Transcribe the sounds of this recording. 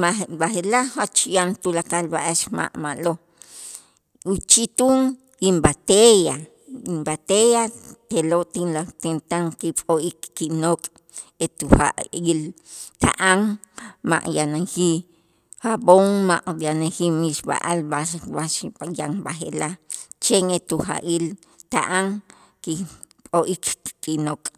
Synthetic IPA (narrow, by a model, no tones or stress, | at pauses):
abaxelahot͡ʃjant̪ulakalbaʔaʃma̰ʔmaʔlo | ut͡ʃit̪uːŋ | jimbat̪eja | imbat̪ejat̪elot̪inlat̪ent̪aŋkipʼoikːiʔnoːkʼ | et̪uxa̰ʔjilt̪a̰ʔaŋma̰ʔjanaŋxi | haboŋmaʔjanaŋximiʃba̰ʔalbabaʃjaŋbaxḛlat͡ʃeŋet̪uxa̰ʔil | t̪a̰ʔaŋ | ki | pʼoʔikkinokʼ